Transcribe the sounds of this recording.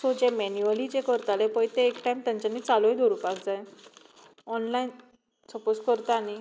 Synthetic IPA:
sod͡ʑemɛnjuəlid͡ʑekəɾt̪alepəjt̪eːkʈajmt̪jãɲt͡ɕanːiːt͡saloed̪ʱoɾuːpakd͡zaj | ɔnlajn | t͡səposkəɾt̪ani

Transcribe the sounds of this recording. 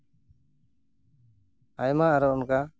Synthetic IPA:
ajmaaɾɔɔnka

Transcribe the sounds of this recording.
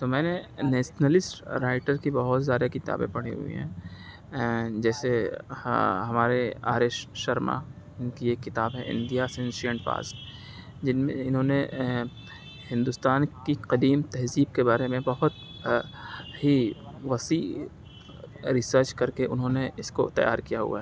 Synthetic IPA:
t̪omɛ̃ːnenɛːʃnəlɪsʈɾaːɪʈəɾkibɐɦʊt̪zjaːd̪akɪt̪a̰ːbḛ̃pɐɽ̤ḭɦṵḭɦɛ̰̃ː | d͡ʒɛːse | ɦɐmaːɾea̰ːɾɪʃʃɐɾma̰ | nkieːkːɪt̪aːbɦɛ̃ʔɪ̰̃nd̪ijasẽnʃiə̃ɳʈpa̰ːs | d͡ʒɪnmẽɪnɦõːne | hɪ̃nd̪ʊst̪aːnkiqɐd̪iːmt̪ɛɦziːb̚kebaːɾemẽbɐɦʊt̪ | ɦiʋɐsiː | ɾɪsəɾt͡ʃkɐɾkeʔʊnɦõːneɪsko̰t̪ɐ̰ja̰ːɾkijaɦṵa̰ɦɛ

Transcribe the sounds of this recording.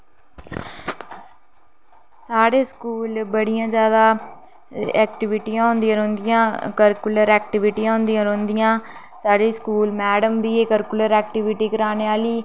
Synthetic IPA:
saːɽeːskuːlbəɽijãːd͡ʒjaːd̪aː | ɛːk̚ʈɪʋɪʈijãːɦʊnd̪iãːɾõːnd̪ijãːkəɾkʊləɾɛːk̚ʈɪʋɪʈijãːɦʊnd̪ijãːɾõːnd̪ijãː | saːɽiːskuːlmɛːɖəmʋiːeːkəɾkʊləɾɛːkʈɪʋɪʈiːkəɾaːneːaːliː

